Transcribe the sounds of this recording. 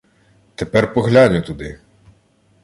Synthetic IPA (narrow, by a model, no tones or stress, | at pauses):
t̪epɛrpɔɦlʲanʲʊt̪ud̪ɪ